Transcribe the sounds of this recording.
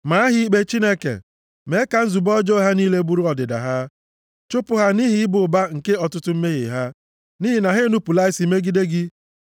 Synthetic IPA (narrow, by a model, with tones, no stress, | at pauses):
ma˨a˦ɦɪ˦i˦k͡pe˦t͡ʃi˦ne˦kḛ˨ | me˨˦ka˨n̩˦zu˨bɔ˦d͡ʒɔ˦ɦa˦niː˦le˦bu˦ɾu˦ɔ˨dɪ˨da̰˨ɦa˦ | t͡ʃʊ˦pʊ˨ɦa˦ni˦ɦɪ˦ɪ˦bʊ˨ba˦ŋ̩˨ke˦ɔ˨tʊ˦tʊ˦m̩˦me˦ɣḭ˨ɦa˦ | ni˦ɦɪ˨na˨ɦe˦nu˦pu˨la˦ɪ˦si˨me˦ɡi˦de˦ɡɪ˦